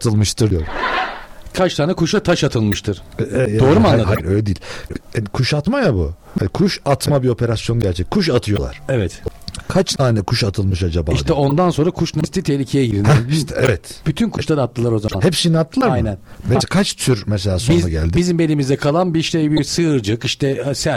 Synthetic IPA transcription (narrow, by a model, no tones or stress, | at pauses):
at̪ʰɯlˠmɯʃt̪ʰɯɾdijoɾ | kʰat͡ʃt̪ʰaːnɛkʰuʃat̪ʰaʃat̪ʰɯlˠmɯʃt̪ʰɯɾ̥d̪oɾumanaahaɾøjlʲɛd̪iːlʲkʰuʃat̪majabṵha̰nkʰuʃat̪ʰmabio̞pʰe̞ɾasjo̞nɟæɾt͡ʃʰɛckʰːuʃ̬at̪ʰɯjo̞lˠa̰ɾ̥ɛvɛt̪kʰat͡ʃt̪ʰaːnɛkʰuʃat̪ʰɯlˠmɯʃad͡ʒabaiʃt̪ʰɛo̞nd̪anso̞nɾakʰuʃnast̪ʰit̪ʰehlʲicʰejɛɟiɾd̪t̪ɛɛvɛt̪b̥yt̪ʰynkʰuʃt̪ˠadɾat̪ʰːɯlˠaɾo̞zamahɛpsiniat̪ʰːɯlˠaɾamjnænbæd͡ʒɛkʰat͡ʃt̪ʰyɾmɛselʲaːsoizaɡɟæ̰lʲd̪ibizimbe̞lʲimizd̪ɛkʰalˠanbiʃlejbiɾsɯːɾd͡ʒɯkiʃt̪ʰɛsæ